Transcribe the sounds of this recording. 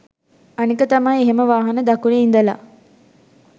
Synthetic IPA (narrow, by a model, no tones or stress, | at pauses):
ɐnikət̪ɐmɐjeɦeməʋaːɦɐnəd̪ɐkuɭeind̪ɐla̰ː